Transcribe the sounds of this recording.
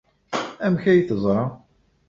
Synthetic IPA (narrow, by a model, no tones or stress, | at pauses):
æmçæjθəzˤɾˤɑ